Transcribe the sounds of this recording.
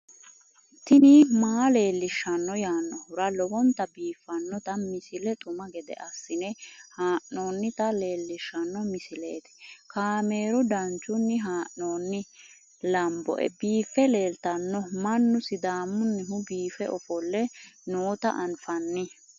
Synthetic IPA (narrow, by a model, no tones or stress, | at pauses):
t̪ɪnɪmaːle̞ːlːɪʃːɐnːɔjaːnːɔhʊɾɐlɔwɔnt̪ɐbiːfːɐnːɔt̪ɐmɪsɪlɛt̪ʼʊmɐɡɛd̪ɛ̰ʔɐsːɪnɛhaːʔnoːnːɪt̪ɐle̞ːlːɪʃːɐnːɔmɪsɪlḛːt̪ɛ̥kaːme̞ːɾɔd̪ɐnt͡ʃʼːʊnːɪɦaːʔno̞ːnːɪ | lɐmbɔ̰ʔɛ̰biːfːɛle̞ːlt̪ɐnːɔmɐnːʊsɪd̪aːmːʊnːɛhʊbiːfɛʔɔfɔlːɛnoːt̪ɐ̰ʔɐnfɐnːɪ